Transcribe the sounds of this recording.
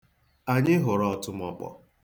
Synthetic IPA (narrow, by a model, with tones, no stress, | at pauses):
a˨ɲɪ˦ɦʊ˨ɾɔ˦ɔ˨tʊ˦m̩˦ɔ˦k͡pɔ̰˨